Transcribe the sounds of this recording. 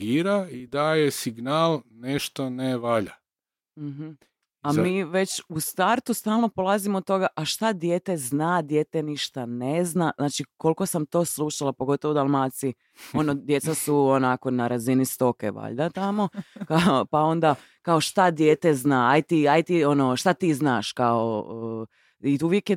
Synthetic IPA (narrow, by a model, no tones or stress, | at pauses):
ɡiːɾaid̪aːjesiɡnaːlneʃt̪oneʋaʎa | m̩ɦm̩ | amiːʋe̞t͡ɕust̪aɾt̪ust̪aːlˠno̞polazimod̪̚t̪ːo̞ɡaʔaʃt̪ad̪je̞ːt̪e̞znad̪jeːt̪eniʃt̪aneznaznaːt͡ʃiko̞lˠko̞samt̪o̞ːslˠuʃalapoɡo̞t̪o̞ʋod̪alˠmaːt̪si | o̞nod̪je̞t̪sasuonako̞naɾazinist̪o̞kḛʋa̰ʎd̪at̪amo̞kaopao̞nd̪a | kao̞ʃt̪ad̪jeːt̪eznaːajt̪iajt̪iono̞ʃt̪at̪iːznaːʃkao̰ | iuʋjekje